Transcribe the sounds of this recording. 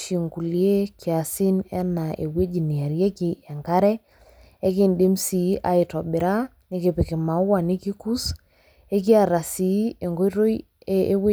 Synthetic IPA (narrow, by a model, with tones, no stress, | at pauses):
ʃi˨ŋku˨lje˦kja˨sɪ˦nɛ˦na˨ʔe˨we˦d͡ʒi˨ni˨a˨ɾjɛ˦kɪ˨ɛ˨ŋka˦ɾɛ˦ | e˦kɪ˨nde˦msi˨˦ʔa̰˦ɪ˨tɔ˨bɪ˨ɾa˦ | nɪ˦kɪ˨pɪ˨kɪ˨ma˨˦wa˨nɪ˦ki˦ku˦s | e˦k̬i˦a˨ɾa˨si˨˦e˨ŋɡo˦ɾo˦j | e˦e˦we˦